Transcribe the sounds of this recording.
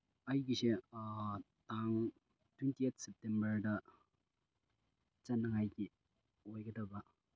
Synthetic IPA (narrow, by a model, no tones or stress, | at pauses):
ajɡise | taŋ | twentiet̚ʰsɛp̚tembɐɾdɐ | t͡ʃɐnːɐŋajɡi | ojɡɐdɐbɐ